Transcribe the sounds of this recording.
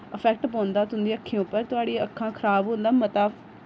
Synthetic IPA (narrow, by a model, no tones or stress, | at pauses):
əpʰɛːk̚ʈp̬ɔ̃ːnd̪aːt̪ʊnd̪iːəkʰːẽʊpːəɾt̪ʊaːɽiːəkʰːãːkʰəɾaːbɦõːnd̪aːmət̪aː